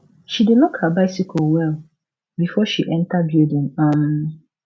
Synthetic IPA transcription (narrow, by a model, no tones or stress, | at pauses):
ʃidɪnɔ̃kʰabaɪsikʰolwɛl | bifɔʃiʔɛ̃ntʰabiedõmãm